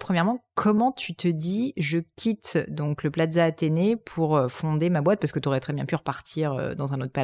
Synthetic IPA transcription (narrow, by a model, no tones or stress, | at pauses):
pχəmjɛʁmɑ̃kʰɔmɑ̃t̪ʰyt̪əd̪iʒəkʲʰit̪d̪ɔ̃kləplad̪zaːt̪enepʰuʁøfɔ̃d̪emabwat̪̚paʁsə̥kət̪yɔʁɛt̪χɛbjɛ̃pyʁəpaʁt̪ʰiʁø̰d̪ɑ̃zɛ̃not̪χpa